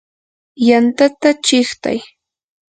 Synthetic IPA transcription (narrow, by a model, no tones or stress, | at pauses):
jant̪at̪at͡ʃɪχt̪a̰j